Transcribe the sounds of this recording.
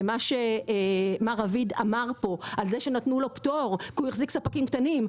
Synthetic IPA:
maʃe | maʁavid̪a̰maʁpo̞ʔalzeʃenat̪nulo̞pt̪oʁkujeχziksapakimkt̪anim

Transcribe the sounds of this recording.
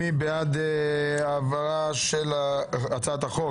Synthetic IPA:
ibead̪eavaʁaʃelaat͡sat̪aχo

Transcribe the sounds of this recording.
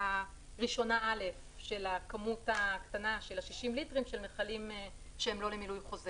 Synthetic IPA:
a | ʁiʃo̞naʔale̞f | ʃe̞lakamutaktanaʃelaʃiʃimlitʁimʃe̞lmeχalim | ʃeemlo̞lemilujχo̞ze

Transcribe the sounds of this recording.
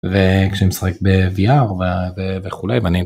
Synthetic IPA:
vekʃeɛmsḁχek̚beviaʁveveveχulejvani

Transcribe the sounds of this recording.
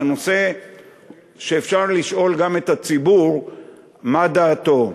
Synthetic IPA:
no̞se̞ | ʃe̞ːfʃaʁliʃʔo̞lɡamet̪at͡sibuʁ | mad̪aːt̪o̞

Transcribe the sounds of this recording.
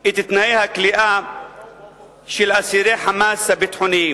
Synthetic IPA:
it̪it̪naihakliʔa | ʃilasiɾeħamaːsabit̪ħʊni

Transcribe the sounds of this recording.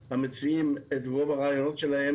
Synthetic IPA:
hamɪt͡svimɛtvovaʁaːjonotʃɛlahɛ

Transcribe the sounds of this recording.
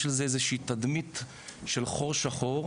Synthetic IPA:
elzeezeʃiːt̪ad̪mit̪ | ʃe̞lχo̞ʁʃaχo̞ʁ

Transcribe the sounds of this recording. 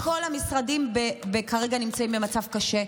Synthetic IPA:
ko̞lhamisʁadimbebekaʁe̞ɡanimt͡saimbemat͡savkaʃe̞

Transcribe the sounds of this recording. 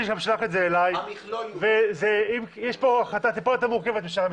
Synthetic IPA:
iʃamʃlaχet̪zeːlajvezeimjɛʃpo̞aχat̪at̪ipolet̪amuʁke̞vet̪biʃam

